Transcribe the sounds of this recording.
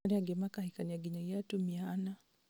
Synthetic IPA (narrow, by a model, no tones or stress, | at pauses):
ɾiaɡɛmakahikaniaɡiɲajatumiana